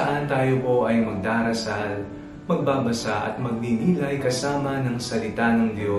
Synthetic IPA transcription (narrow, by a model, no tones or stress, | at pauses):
ɐʔɐnt̪aːjo̞po̞ʔɐjmɐɡ̚d̪aːɾɐsal | mɐɡ̚baːbɐsaʔɐ̰t̪̚mɐɡ̚miniːlɐjkɐsaːmɐnɐŋsɐlɪt̪anɐŋd̪jo̞